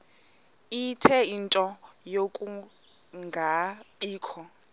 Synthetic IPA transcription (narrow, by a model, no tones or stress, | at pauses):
itʰɛintʼɔjokʼu | ŋɡʱapʼiːkʰɔ